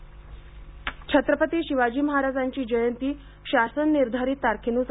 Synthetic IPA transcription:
t͡ɕʰət̪ɾəpət̪iːɕiʋad͡ʑiːməɦaɾad͡zaɲt͡ɕiːd͡ʑəjənt̪iː | ɕasənːiɾd̪ʱaɾiːt̪ːaɾkʰinuːs

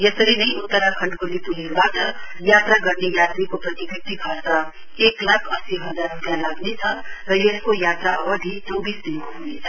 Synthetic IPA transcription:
jesəɾinəĩʊt̪ːəɾakʰə̃ɳɖkolipuliɾbaʈə | jat̪ɾaɡʌɾnijat̪ɾikopɾət̪ibek̚t̪ibʱaɾsa | eklakʰəsiɦəd͡zaɾːupjãlaɡnet͡sʰʌɾʌjeskojat̪ɾad̪ʱit͡ʃɔbiːsd̪inkoɦonet͡sʰʌ̥

